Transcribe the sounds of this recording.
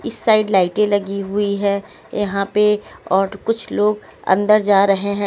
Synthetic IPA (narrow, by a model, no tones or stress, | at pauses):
ɪsːaːɪɖlaːɪʈẽlɐɡiɦʊiɦɛː | jɐɦãpeɔːɾkʊt͡ʃʰloːɡ | ɐ̰̃nd̪əɾd͡ʒaːɾɐɦeɦɛ̃